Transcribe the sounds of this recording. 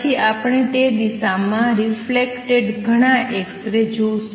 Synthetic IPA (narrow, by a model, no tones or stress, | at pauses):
iʔapɳ̃eʈ̪ed̪isamãɾiflekʈeɖɡʱəɽ̃ãʔekt̪ɾed͡ʒos